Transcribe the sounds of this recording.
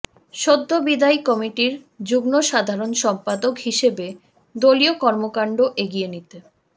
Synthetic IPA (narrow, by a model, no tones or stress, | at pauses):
ʃod̪ːobid̪ajkɔmiʈiɾ | d͡ʑuɡnoʃad̪ʱaɾonʃɔmpad̪okhiʃebe | d̪oliokɔɾmokaɳɖoʔeɡienit̪e